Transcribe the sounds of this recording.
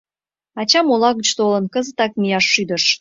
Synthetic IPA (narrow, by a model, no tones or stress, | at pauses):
ɑt͡ɕɑmolɑɣət͡ɕt̪olə̆nkəzət̪ɑk̚mijɑʃːyd̪ə̆ʃ